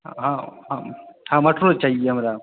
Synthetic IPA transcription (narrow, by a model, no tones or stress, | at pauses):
ɦãɦãhãːmɐʈʰɾot͡ʃaːɦieɦɐmɾa